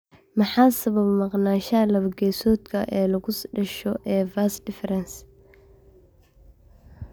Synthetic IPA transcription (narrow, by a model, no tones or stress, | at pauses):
mɑħɑːsɐβɐbmɑqnaːʃɐlɐβɐɡɛːsɔːd̪kʰɐʔɛːlɐɣʊsɖɐʃɔʔɛːvaːsdɪfɛɾɛns